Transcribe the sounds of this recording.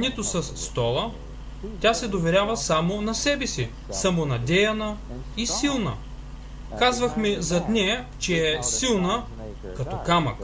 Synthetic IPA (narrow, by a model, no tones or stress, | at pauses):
nʲɛt̪osɐsːt̪ɔlˠə | t̪ʲasɛd̪ovɛɾʲavɐsamonɐsɛbɛsi | samonɐd̪ɛjɐnɐ | isilˠnɐ̰ | kazvɐxmɛzɐt̪nɛjɐt͡ʃɛːsilˠnə | kɐt̪ɔkamɐ̰k